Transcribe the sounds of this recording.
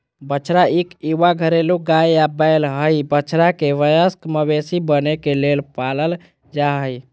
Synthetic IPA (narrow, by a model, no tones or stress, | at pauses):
bət͡ʃʰɾaikiʋaɡʱəɾeluɡajabajlɦəjbət͡ʃʰɾakeʋəjəskməβesibənekelelpaləl | d͡ʒaɦəj